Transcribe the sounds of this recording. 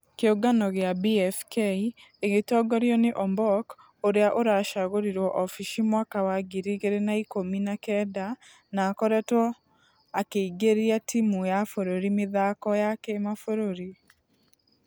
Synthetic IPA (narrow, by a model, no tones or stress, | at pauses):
keoɡanɔɣeabiɛfkei | eɣetɔɡɔɾjɔneʔɔmbɔk | oɾeaʔoɾaʃaɣoɾiɾwɔʔɔfiʃimwakawaɡiɾiɣeɾenaikominakɛda | naːkɔɾɛtwɔ | akeiɡeɾiatʰimujafoɾoɾimeðakɔjakemafoɾoɾi